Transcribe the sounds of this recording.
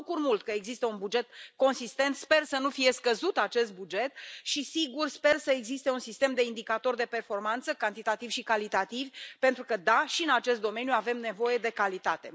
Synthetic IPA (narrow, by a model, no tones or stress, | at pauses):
kurmult̪kəeɡzist̪əunbud͡ʒe̞t̪̚ko̞nsist̪e̞nt̪spe̞rsənufije̞skəzut̪at͡ʃe̞st̪̚bud͡ʒe̞t̪ʃisiɡurspe̞rsəe̞ɡzist̪e̞unsist̪e̞md̪e̞ind̪ikat̪o̞rd̪e̞pe̞rfo̞rmant̪səkant̪it̪at̪ivʃikalit̪at̪ivʲpe̞nt̪ɾukəd̪aʃiɨnat͡ʃe̞st̪d̪o̞me̞njuave̞mne̞vo̞je̞d̪e̞kalit̪at̪e̞